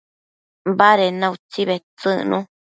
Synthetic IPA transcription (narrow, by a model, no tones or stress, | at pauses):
baɾenãut͡siβet͡sɨnṵ̃